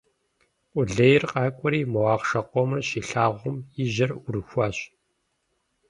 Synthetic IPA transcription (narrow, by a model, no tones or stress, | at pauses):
ʔʷʊɮɐjɪrqʼɑːkʷʼɔɾiːmɐwɑːʁʂɐqʷɔmɐʃiːɬaːʁʷʊmjɪʒɐrʊɾɨxʷɑːɕ